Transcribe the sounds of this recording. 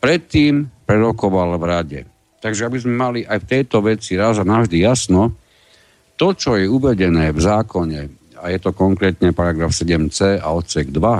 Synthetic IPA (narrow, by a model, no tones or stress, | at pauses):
pɾɛt̪ːiːmpɾɛɾɔkɔʋalvɾaɟɛ | t̪aɡʒɛabizmɛmaliʔajft̪ɛjt̪ɔʋɛt͡siɾazanavʒd̪ijasnɔ | t̪ɔt͡ʃɔjɛuʋɛɟɛnɛːvzaːkɔɲɛ | ajɛt̪ɔkɔŋkɾɛːt̪ɲɛpaɾaɡɾafsɛɟɛmt͡sɛːa̰ɔt̪sɛɡd̪ʋa